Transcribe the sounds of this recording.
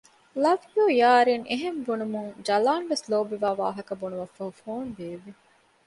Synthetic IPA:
lɐʋjoːjaːɾiŋeɦembunumuŋd͡ʒɐlaːnʋesloːbiʋaːʋa̰ːɦɐkɐbunuʋɐfːɐɦufoːnd̪eːʋi

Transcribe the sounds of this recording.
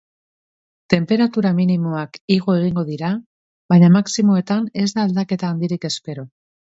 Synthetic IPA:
t̪e̞mpe̞ɾat̪uɾaminimo̞akiɣ̞o̞e̞ɣiŋɡo̞ðiɾa | βaɲamaksimo̞e̞t̪ane̞zd̪aːld̪ake̞t̪aːnd̪iɾike̞spe̞ɾo̞

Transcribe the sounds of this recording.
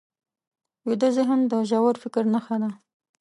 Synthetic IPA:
jod̪əzeɦənd̪əʒawaɾfɪkɾnaxad̪a

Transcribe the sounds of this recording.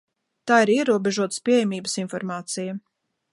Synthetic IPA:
t̪aːiɾiɛɾuɔbʲeʒuɔt̪spiɛjɛmʲiːbəsinfɔɾmaːt̪sijɐ

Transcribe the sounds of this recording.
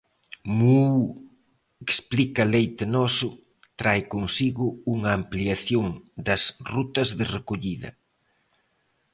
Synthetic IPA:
muu | eksplikɐlejt̪ɪnɔsʊ | t̪ɾajkoŋsiɣʊuŋɐːmpliaθjoŋd̪ɐsrut̪ɐzðɪrekoʎiðɐ̰

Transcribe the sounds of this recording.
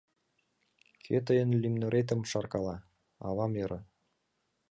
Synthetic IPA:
kʰøt̪̬əjə̆nlymnŏɾet̪̬ə̆mʃɑrkɑlɑ | ɑ̰βɑmjɤ̆ɾʔɤ̆

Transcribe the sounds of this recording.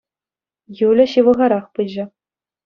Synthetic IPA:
julʲɘ̆ɕiʋɤ̆ʁɑɾɑχpɯd͡ʑɘ̆

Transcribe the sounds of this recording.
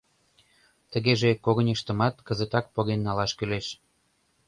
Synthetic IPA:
t̪ə̆ɣeʒekoɣə̆nʲəʃt̪ə̆mɑt̪kə̆zə̆t̪ɑk̚poɣenːɑlɑʃkyleʃ

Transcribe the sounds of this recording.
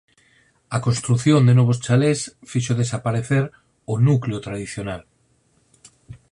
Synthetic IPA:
akonst̪ɾuθjõnd̪enoβost͡ʃalesfiʃoðesapaɾeθeɾ | onukleot̪ɾað̞iθjonal

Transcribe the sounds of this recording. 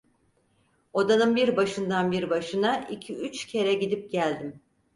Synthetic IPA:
od̪anɯmbiɾbaʃɯnd̪anbiɾbaʃɯnaicʰiyt͡ʃcʰe̞ɾɛɟid̪ip̚ɟælʲd̪im

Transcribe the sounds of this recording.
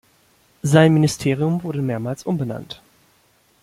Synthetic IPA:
zaɪnmɪnɪstʰeːʁ̞iʊmvʊɐdəmeːɐmaːlsʔʊmbəna̰nt

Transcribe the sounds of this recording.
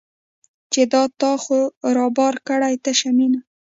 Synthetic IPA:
t͡ʃed̪ɑt̪ɑxoɾɑbɑɾkəɽajt̪aʃamina

